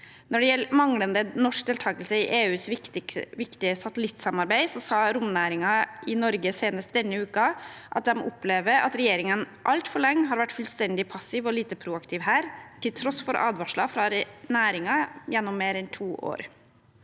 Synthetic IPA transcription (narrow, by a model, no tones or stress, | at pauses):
nɔɖɛjɛlmɑŋlənd̪ənɔʂk̚d̪eːlt̪ʰɑːkəlsəɪʔeːʉːs | ʋɪkt̪ɪəsɑt̪əlɪt̪ːsɑmɑɾbæɪsɔsɑːɾʊmnæːɾɪŋɑʔɪnɔɾɡəseːnəst̪̚d̪ɛnːəʉːkɑʔɑ̰t̪̚d̪ɛm̰ʔʊpleːʋəɾɑ̰t̪ɾɛjeːɾɪŋən | ʔɑlt̪fɔɭɛŋːɦɑːɾʋæʈːfʉlst̪ɛnd̪ɪpʰɑsɪʋɔliːt̪əpʰɾuːɑkt̪ʰɪʋhæːɾt̪ʰɪlt̪ʰɾɔsfɔɾʔɑ̰ːd̪ʋɑʂɭɑfɾɑɾnæːɾɪŋɑjɛnːɔmːeːɾɛnt̪ʰuːʔo̰ːɾ